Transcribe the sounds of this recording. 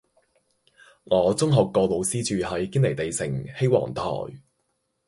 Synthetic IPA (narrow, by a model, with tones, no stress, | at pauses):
ŋɔː˨˧t͡sʊ˥ŋɦɔː˨kːɔː˧lo˨˧wsiː˥t͡ʃyː˨hɐ˨˥jkɪ˥nle˨˩jt̪e˨jsɪ̰˨˩ŋhe˥jwɔ̰ː˨˩ŋt̪ʰɔ̰ː˨˩j